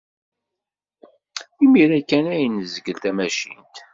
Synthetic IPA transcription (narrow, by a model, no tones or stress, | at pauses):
imiɾækːænæjnzəɡəlt̪æmæʃḭnt̪